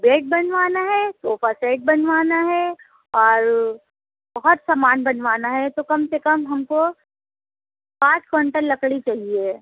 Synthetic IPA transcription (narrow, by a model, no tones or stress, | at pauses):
beːʈ̚bɐnʋaːnaɦɛsoːpʰasaɪʈ̚bɐnʋaːnaɦɛ | ɔːɾ | bɐɦʊt̪samaːnbɐnʋaːnaɦɛt̪okɐmsekɐmɦɐmko | pãːt͡ʃkɐɳʈəɾlɐkɽit͡ʃaːɦie